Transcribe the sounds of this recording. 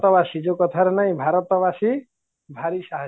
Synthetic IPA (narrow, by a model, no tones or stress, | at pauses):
t̪ɔbasid͡ʒokɔt̪ʰaɾenaɦĩbʱaɾɔt̪ɔbasi | bʱaɾisaɦ